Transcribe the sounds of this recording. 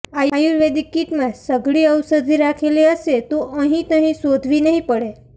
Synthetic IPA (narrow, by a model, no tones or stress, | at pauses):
ajuɾʋed̪ikiʈmãsəɡʱɭiəwsəd̪ʱiɾakʰeliəset̪oʔə̃ɦĩt̪ə̃ɦĩsod̪ʱʋinəɦĩpəɽe